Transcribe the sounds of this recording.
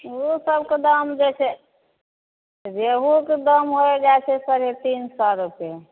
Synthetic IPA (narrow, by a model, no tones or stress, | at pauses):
usəbked̪əmd͡ʒɛt͡ʃʰɛ | d͡ʒeɦuked̪əmɦoed͡ʒaet͡ʃʰɛsəɾet̪insɔɾupe